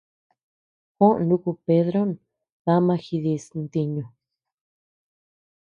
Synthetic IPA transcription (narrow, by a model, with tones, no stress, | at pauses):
kõ˦ʔnũ˦ku˧pe˧ðɾo˦n | βa˦mã˧xi˧ði˧snt̪i˧ɲũ˨